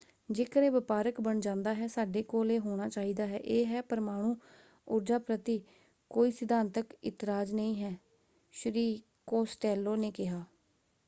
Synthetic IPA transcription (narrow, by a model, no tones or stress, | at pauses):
d͡ʒeːkəɾeːʋəpaːɾəkbəɳd͡ʒãːnd̪aːɦɛːsaːɖeːkoːleːɦoːɽ̃aːt͡ʃaːɦiːd̪aːɦɛ̰ːʔeːɦɛːpəɾmaːɽ̃ũː | ʊɾd͡ʒaːpɾət̪iː | koːiːsɪd̪aːnt̪əkɪt̪ɪɾaːd͡ʒnəĩːɦɛː | ʃɾiː | koːsʈɛːlːoːneːkɪɦaː